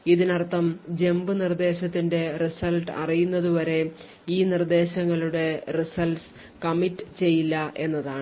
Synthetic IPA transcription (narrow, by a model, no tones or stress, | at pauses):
iðinɐrt̪ːɐmd͡ʑe̞mbɨnird̪e̞ːɕɐt̪ːinde̞risɐlʈɐ̰rijunːɐðuʋɐɾe̞ | iːnird̪e̞ːɕɐŋːɐɭuɽe̞risɐls | kɐmitːɨt͡ɕe̞jːilːɐʔe̞nːɐðaːɳɨ